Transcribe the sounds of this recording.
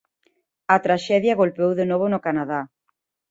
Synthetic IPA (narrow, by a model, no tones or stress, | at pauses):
ɐt̪ɾaʃɛðjaɣolpewðenoβ̞onʊkanaða